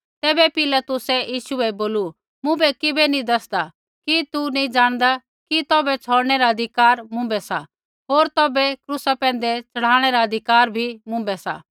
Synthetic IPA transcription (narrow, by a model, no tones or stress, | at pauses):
t̪ɛːbɛpɪlat̪ʊsɛjiːʃuɛboːlu | mʊ̃bɛkɪbɛnĩd̪ɐsd̪a | kit̪unĩd͡ʒaːɽ̃d̪a | kit̪ɔːbɛt͡sʰɔːɽɽ̃ɛɾaɐd̪ʱɪkaːɾmʊ̃mbɛsa̰ | ɦoːɾt̪ɔːbɛkɾʊsapɛ̃ːn̆d̪ɛt͡sɐɽ̤aːɽ̃ɛɾaɐd̪ʱɪkaːɾbʱimʊ̃mbɛsa̰